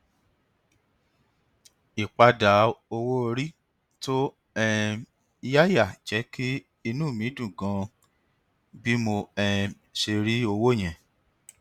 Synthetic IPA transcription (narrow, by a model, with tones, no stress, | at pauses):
i˨k͡pa˧da˨˦o˧wo˦˧ɾi˦ | to˦ | ɛ˦ | i˧ja˦ja˦˨d͡ʒɛ˨˦kʰi˦ | i˧nũː˦˨mĩ˨˦dũ˦˨ɡã˨˦ | bi˦mo˧ɛ˧ | ʃe˧ɾi˦o˧wo˦˨j̃ɛ̃˨